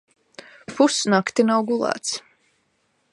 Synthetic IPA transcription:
pusnakt̪inawɡulˠa̰ːt̪s

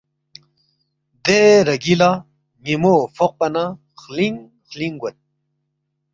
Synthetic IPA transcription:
d̪eɾɐɡila | mimofoq̚pana | χliŋ | χliŋɡwat̪̚

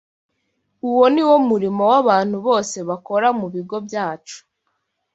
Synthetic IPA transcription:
uwo̞niwo̞muɾimo̞waβaːn̥huβo̞ːse̞βako̞ɾamuβiɡo̞bjaːt͡ʃu̥

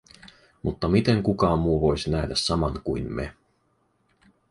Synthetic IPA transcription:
mut̪ːɑmit̪e̞ŋkukɑːmːuːʋo̞jsinæɦdæssɑmɑŋkṵjnmḛ

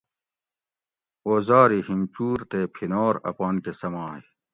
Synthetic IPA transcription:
oːzaːɾihimt͡ɕuːɾt̪epʰinoːɾɐ̰paːnkesɐmaːj

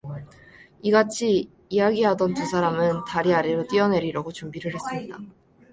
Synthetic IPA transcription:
iɡat͡ɕʰiː | jaɡiɦadʌntusʰaɾamɯntaɾiaɾiɾot͈iʌne̞ɾiɾaɡot͡ɕumbiɾɯɭhe̞s͈ɯmɲida

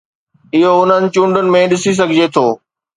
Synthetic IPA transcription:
ɪɦoʊn̤ənɪ̆t͡ɕũːɳɖʊnɪ̆mẽɗɪsis̬ɐɡʱɪd͡ʑet̪ʰoː

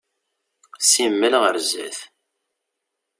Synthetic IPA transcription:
simːəlʁəɾzæθ

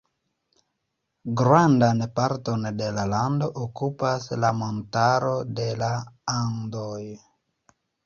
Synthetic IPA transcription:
ɡɾandanpaɾtonde̞lalando̞ʔokupaslamontaɾo̞de̞laaŋdoj

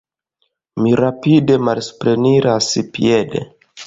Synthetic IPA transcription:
miɾapide̞malspɾe̞niɾaspḭedḛ

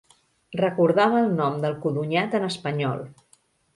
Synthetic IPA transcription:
rəkuɾðaβəːlˠnɔmd̪əlˠkuðuɲat̪ənəspəɲɔ̰lˠ

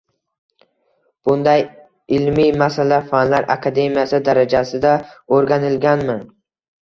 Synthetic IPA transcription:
b̥ʊnd̪aj | ɪlmijmasalafanlaɾʔa̰kʰad̪e̞mijasɪd̪aɾad͡ʒasɪd̪aoɾɡʲanɪlɡʲanmɪ

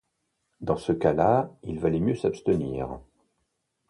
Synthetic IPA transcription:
d̪ɑ̃səkalailvalɛmjøsapst̪əniːʁ

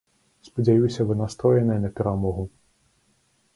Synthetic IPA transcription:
spɔdʲajusʲɐʋɪnɐst̪ɾɔjenɛnɛt̪ɪɾamɔɦʊ

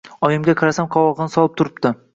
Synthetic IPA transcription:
ɒjɪmɡʲaqʰɑɾasamqʰɒwɒʁɨnɪsɒlˠɪp̚t̪ʰʊɾɪpd̪ɪ

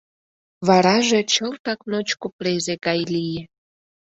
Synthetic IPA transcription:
βɑɾɑʒet͡ɕəlt̪ɑknot͡ɕkuplezeɣɑjlije

